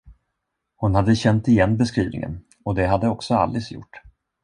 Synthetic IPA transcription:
hʊnhad̪ːəɕɛnt̪ɪjɛnːbɛskɾḭːvnɪ̰ŋə̰n | ɔd̪ɛɦad̪ːəɔksɔa̰lːɪsjʊ̰ʈː

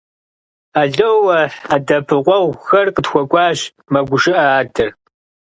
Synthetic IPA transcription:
aɮowɐadɐpʰɨqʷɔwxɐrqətxʷɔkʷʼɑːɕ | mɐɡʷʊʂɨʔɐaːdɨr

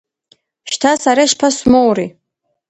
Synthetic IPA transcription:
ʃtʰasaɾaʃpʰasmowri

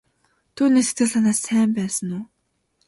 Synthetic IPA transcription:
t̪ʰuːniːkse̥t̪ɡɘ̆ɮaːnaːsːæːmpæːsə̆nuː

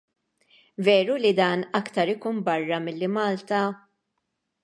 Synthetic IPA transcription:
vɛːɾulid̪ɐːnɐkt̪ɐɾɪkuːnbɐrːɐmɪlːimɐːlt̪ɐ

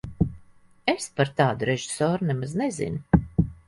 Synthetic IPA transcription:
espaɾt̪aːd̪uɾeʒisɔːɾunɛmaznezḭnu

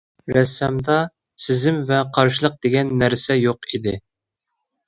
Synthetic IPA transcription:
ɾɛsɛmd̪ɑ | sɪzɪmvɛqʰɑɾʃɨlˠəq̚d̪̥eɡʲɛnːæɾsɛjoqʰid̪ɪ

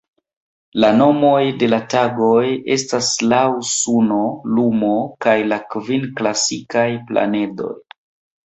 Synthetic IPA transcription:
lano̞mo̞jde̞lataɡo̞je̞staslawsuno̞lumokajlakvinklasikajpla̰ne̞do̞̰j

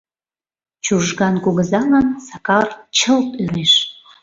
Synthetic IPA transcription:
t͡ɕuʒɣɑnkuɣəzɑŋənsɑkɑrt͡ɕəlpøɾeʃ

